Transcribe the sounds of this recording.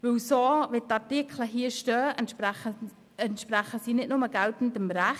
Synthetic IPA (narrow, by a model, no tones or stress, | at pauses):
vɪwsoːvɪt̚tːɑtɪkʰləɦiːəʃtœː | ɛntʃpɾaχəsiːnɪtnʊməɡ̥altn̩dəmɾæχ